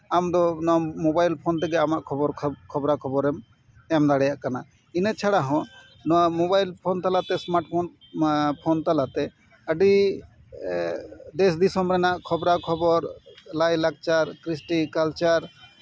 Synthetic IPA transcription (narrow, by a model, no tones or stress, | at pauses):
amd̪ɔnɔmobajlpʰɔnt̪ʰɛɡɛamaʔkʰɔbɔɾʰkʰɔbɾakʰɔbɔɾɛm | ɛmd̪aɽɛjaʔkana | inət͡ʃʰaɽaɦɔ̃ | nɔmɔbajlpʰɔnt̪alat̪ɛsmaɾʈpʰɔn | pʰɔnt̪alat̪ɛ | əɖi | d̪ɛsd̪isɔmbɾɛnaʔkʰɔbɾakʰɔbɔɾlajlak̚t͡ʃaɾkɾisʈikalt͡ʃaɾ